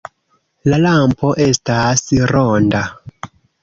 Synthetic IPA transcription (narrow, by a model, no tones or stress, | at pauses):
lalampo̞ʔe̞stasɾonda